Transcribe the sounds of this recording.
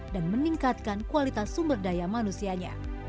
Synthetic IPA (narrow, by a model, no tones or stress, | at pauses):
danməniŋkat̪̚kankualit̪asːumbərdajamanusiaɲa̰